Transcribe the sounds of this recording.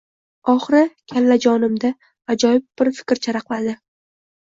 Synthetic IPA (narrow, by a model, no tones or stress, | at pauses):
ɒχɾɪkʲʰallad͡ʒɒnɪmd̪a | ad͡ʒɒjɪb̚b̥ɪɾfɪ̥kʲɾt͡ʃʰaɾaqlˠad̪ɪ